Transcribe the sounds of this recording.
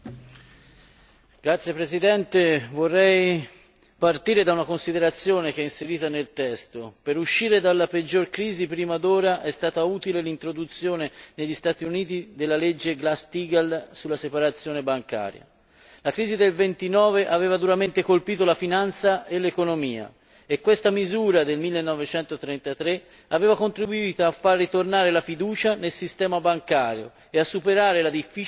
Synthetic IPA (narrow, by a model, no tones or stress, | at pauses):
ɡ̥ɾat̪sjepɾezid̪ɛnt̪evorːɛj | part̪iːɾed̪aunakonsid̪eɾat̪sːjoːnek̟ɛinseɾiːt̪anelt̪ɛst̪opeɾuʃːiːɾed̪alːaped͡ʒːorkɾiːzipɾiːmad̪oːɾaʔɛst̪aːt̪auːt̪ilelint̪ɾod̪ut̪sːjoːneneʎːist̪aːt̪iuniːt̪id̪elːaled͡ʒːeɡlast̪iːɡalsulːasepaɾat̪sːjoːnebaŋka̰ːɾja̰ | lakɾiːzid̪elvent̪inɔːveʔaveːvad̪uɾament̪ekolpiːt̪olafinant̪saelːekonomiːa̰ | ekwest̪amizuːɾad̪elmilːenːɔvet͡ʃɛnt̪ot̪ɾɛnt̪at̪ɾe | aveːvakont̪ɾibuiːt̪oafːarːit̪ornaːɾelafid̪uːt͡ʃanelsist̪ɛːmabaŋkaːɾjo̰ | easːupeɾaːɾelad̪ifːi